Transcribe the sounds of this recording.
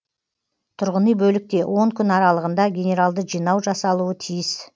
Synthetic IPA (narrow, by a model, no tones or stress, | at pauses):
t̪ʰʊɾʁənəjbɵlɪk̚t̪e̞wʔo̞ŋkʲʰʏnɑɾɑlˠəʁənd̪ɑɡʲe̞nʲe̞ɾalˠd̪əʒijnɑwʒɑsɑlˠuət̪ʰijɪs